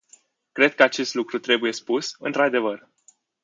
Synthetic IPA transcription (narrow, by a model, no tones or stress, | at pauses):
kɾe̞d̪̚kəat͡ʃe̞st̪lukɾut̪ɾe̞buje̞spusɨ̰nt̪ɾad̪e̞vər